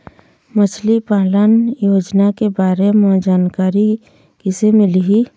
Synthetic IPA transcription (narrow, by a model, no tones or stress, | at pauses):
mət͡ʃʰlipaːlənjoːd͡ʒnakebaːɾemɔd͡ʒaːnkaːɾi | kisemɪliɦi